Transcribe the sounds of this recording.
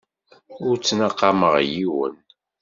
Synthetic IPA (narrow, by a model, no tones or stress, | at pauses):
ʊɾt͡sːnaqːɑməʁjiwə̰n